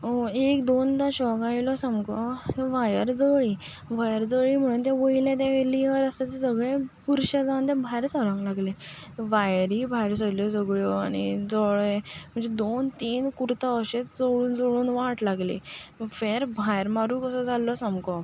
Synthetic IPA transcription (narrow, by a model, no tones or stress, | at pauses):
ekd̪ond̪aɕɔɡaɭilɔsamkɔʋajəɾd͡zəɭi | bajəɾd͡zəɭiːm̤əɽ̃uːnt̪̬jãʋəilɛ̃t̪̬ɛ̃ʋeliɦəɾəsat̪esəɡɭẽpuɾɕad͡zãnt̪ɛ̃bʱajɾsɔɾə̃ŋɡlaɡle | ʋajɾibʱajɾsəljɔsəɡɭjɔañḭd͡zɔɭem̤ə̃ɳd͡zed̪ont̪iːnkuɾt̪aəɕet͡sd͡zoɭuːnd͡zoɭuːnʋaʈlaɡlḛfeɾbʱajɾmaɾuːkəsəd͡zalːɔsamkɔ